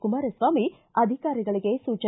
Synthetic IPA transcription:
kumaːɾesʋaːmi | ɐd̪ʱikaːɾiɡɐɭiɡe̞suːt͡ʃɐ

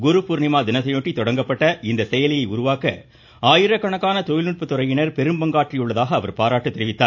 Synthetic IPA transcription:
ɡʊɾʊpuːɾnɪmaːd̪ɪnɐsɐjoːʈːit̪ɔɽɐŋɡɐpːɐʈːɐɪnd̪ɐsɛjɐlɪjɐɪʊɾʊʋaːkɐ̰ | aːjɪɾɐkːɐɳɐkːaːnɐt̪ɔjɪlnɪʈ̚pːɯt̪ːɔɾɐjɪnɐɾpɛɾɯmbɐŋɡaːʈrɪjɯɭːɐðaːɣɐːʋɐɾpaːɾaːʈːɯt̪ːɪɾɪʋɪt̪ːaːɾ

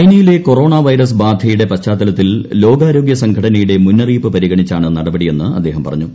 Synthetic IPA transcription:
ɐjnɐjile̞ko̞ro̞ːɳaːʋɐjɾɐsbaːd̪ʱjɐjuɽe̞pɐt͡ɕːaːt̪ːɐlɐt̪ːillo̞ːɡaːɾo̞ːɡjɐsɐŋɡʰʱɐɽɐnɐjuɽe̞munːɐriːpːɨpɐɾiɣɐɳit͡ɕːaːɳɨnɐɽɐbɐɽije̞nːɨɐd̪ːe̞ːɦɐmpɐ̰rɐ̰ɲːu

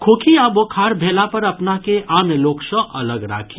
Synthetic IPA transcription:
kʰoːkʰiaːbokʰaːɾbʱeːlapɐɾɐpnakeʔaːnloːksəɐləɡɾa̰ːkʰi

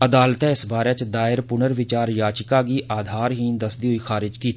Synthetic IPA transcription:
əd̪aːlt̪ɛ̃ːɪsbaːɾeːt͡ʃd̪aːɪɾpʊnəɾʋɪt͡ʃaːɾjaːt͡ʃɪkaːɡiːʔaːd̪ʱaːɾɦĩːd̪əsd̪iːɦʊiːxʰaːɾɪd͡ʒkiːt̪

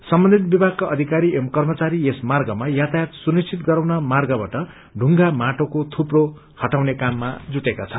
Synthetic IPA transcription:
sʌmbʌnd̪ʱit̪̚bibʱaɡ̚kaʔʌd̪ʱikaɾiemkʌrmʌt͡saɾiesmarɡʌmajat̪ajat̪sunist͡sʰit̪ɡʌɾawnʌmarɡʌbaʈʌ | ɖʱuŋɡamaʈokot̪ʰupro | hʌʈawnekamːad͡zuʈekat͡sʰʌ̥

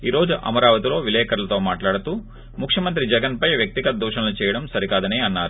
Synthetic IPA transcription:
iːɾo̞ːd͡ʒuʔɐ̰mɐɾaːʋɐt̪ilo̞ːʋilɛːkɐɾlɐt̪o̞ːmaːʈlaːɽut̪uː | mukʰʂjɐmɐnt̪ɾid͡ʒɛɡɐnpɐjʋjɐk̚t̪iɡɐt̪ɐd̪uːʂɐnɐlut͡ʃɛːjɐɽɐmsɐɾikaːd̪ɐneːɐnːaːɾu

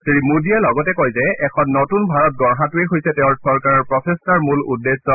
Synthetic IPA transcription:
siɹimudijalɔɡɔtɛkojzɛɛkʰɔnːotunbʱaɹɔt̚ɡɔɹɦatʊeɦojsɛtɛʊ̃ɹsɔɹkaɹɔɹpɹɔtʰestaɹmulṵdːesɔ

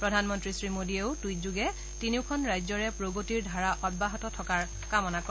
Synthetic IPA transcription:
pɹɔdʱanmɔntɹisɹimodieʊtujzuɡɛ | tiniʊkʰɔnɹajzɔɹɛpɹoɡotiɹdʱaɹaʔɔd̚baɦɔtɔtʰɔkaɹ | kamɔnakɔ

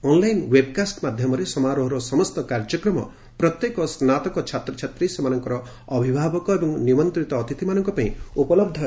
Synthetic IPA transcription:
ɔnlajnwebkasʈmad̪ʱjɔmɔɾesɔmaɾoɦɔɾɔsɔmɔst̪ɔkaɾd͡ʒɔkɾɔmɔ̰ | pɾɔt̪jekɔsnat̪ɔkɔt͡ʃʰat̪ɾɔt͡ʃʰat̪ɾisemanɔŋkɔɾɔ | bʱibʱabɔkɔebɔŋnimɔnt̪ɾit̪ɔːt̪it̪imanɔŋkɔpaĩupɔlɔb̚d̪ʱɔ

